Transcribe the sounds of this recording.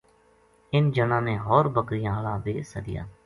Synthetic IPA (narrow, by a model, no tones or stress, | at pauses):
ɪnd͡ʒənãːnẽːɦɔːɾbəkɾɪjãːɦlaːd̪eːsədɪ̰ja̰ː